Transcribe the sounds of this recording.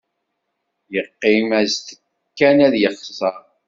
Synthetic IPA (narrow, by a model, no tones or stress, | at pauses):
jəqːimæzθ | kːænæðjəχsˤɑɾ